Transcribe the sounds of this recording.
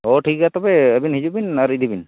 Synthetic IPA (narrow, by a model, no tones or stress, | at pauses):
ɔʈʰik̚ɡat̪ɔbeəbinɦid͡ʒubinaɾid̪ʱibin